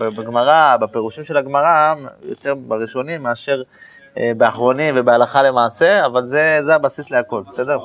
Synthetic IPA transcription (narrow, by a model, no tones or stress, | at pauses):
bbaɡmaʁabepeʁuʃimʃe̞laɡmaʁajo̰t̪e̞ʁbaʁiʃo̞nimːeaʃe̞ʁ | ebeaχʁo̞nimvebealaχale̞maːse̞avalze̞zeabasisle̞ako̞lbese̞d̪e̞ʁ